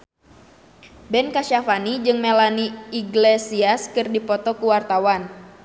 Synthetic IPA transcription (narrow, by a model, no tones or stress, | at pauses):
bɛnkaʃafanid͡ʒɨŋmelaniːɡlesiaskɨrdipɔt̪ɔkuwart̪awan